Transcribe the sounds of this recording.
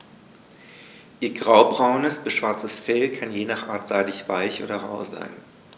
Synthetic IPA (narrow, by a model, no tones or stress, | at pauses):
ʔiːɐɡʁaʊbʁaʊnəsb̥əsʃv̥aɐt͡səsfɛlkʰanjeːnaːχʔa̰ːɐtz̥aɪdɪçv̥aɪçʔo̰ːdɐʁa̰ʊza̰ɪn